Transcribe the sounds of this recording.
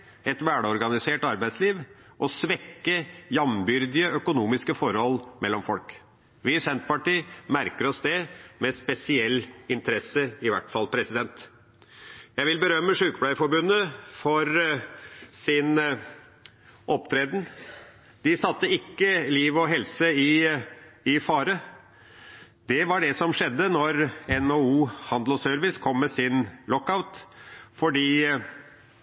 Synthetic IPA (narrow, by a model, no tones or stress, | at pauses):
ɛt̪ʋæːɖɔɾɡɑnɪseːʈɑɾbæɪsliːʋ | ʔɔsʋɛkːəjɑmbʏɾd̪ɪəœkʊnuːmɪskəfɔɾhɔlmɛlːɔmfɔlk | ʋɪsɛnt̪̚pɑʈiːmæɾkəɾɔsd̪ɛmɛspɛsɪɛlːɪnt̪əɾɛsəɪʋæʈfɑlpʰɾɛsɪd̪ɛnt̪ | jæɪʋɪlbəɾœmːəʂʉːkblæɪfɔɾbʉnːəfɔɾ | sɪn | ʔɔpt̪ʰɾeːd̪n̩ | d̪̥ɪsɑt̪ːəɪkːəliːʋɔɦɛlsəɪ | ɪfɑːɾə | d̪ɛʋɑɖɛsɔmʂɛd̪ːənɔɾɛnouːhɑnd̪l̩sœɾʋɪskʰɔmːɛsɪnlɔkːaʊt̪fɔɖiː